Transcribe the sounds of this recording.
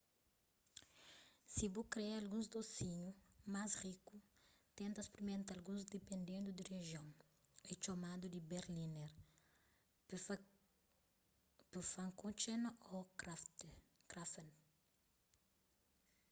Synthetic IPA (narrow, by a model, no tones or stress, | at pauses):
sibukɾeealɡũzd̪osiɲumasrikut̪ẽnt̪ɐspɾimẽnt̪ɐlɡũzd̪epẽnd̪ẽnd̪ud̪ireʒjõŋ | et͡ʃomad̪ud̪ibeɾlineɾ | pufãŋkõt͡ʃenot̪kɾafen